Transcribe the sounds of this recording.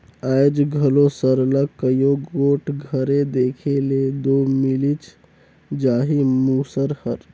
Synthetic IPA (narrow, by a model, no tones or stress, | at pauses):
ajd͡ʒɡʱəlosəɾləkːəjoɡoːʈʰɡʱəɾed̪eːkʰeled̪oːmilit͡ʃ | d͡ʒaːɦimuːsəɾhəɾ